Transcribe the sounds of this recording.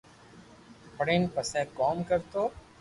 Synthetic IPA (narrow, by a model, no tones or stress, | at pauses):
pəɽẽːnpəsɛːkɔːmkəɾt̪oː